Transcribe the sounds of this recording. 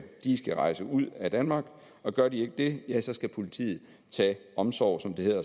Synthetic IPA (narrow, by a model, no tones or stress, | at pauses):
d̥isɡ̥æʁɑ̈ɪsəuð̞̰ˠæd̥ænmɑ̈ːɡ̥ | ɒ̽ɡ̥ɶɐd̥ie̝ɡ̥əd̥e̝jæsɒ̽sɡ̥æpʰo̝lit͡sʰḭːð̩ˠ | t͡sʰɛ̰ːɒ̽msɒʊ̰sɒ̽md̥e̝he̝ðˠɐ